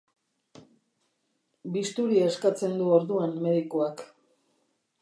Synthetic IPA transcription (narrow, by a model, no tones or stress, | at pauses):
bist̪uɾieskat͡se̞nd̪uo̞ɾðuanme̞ðikoak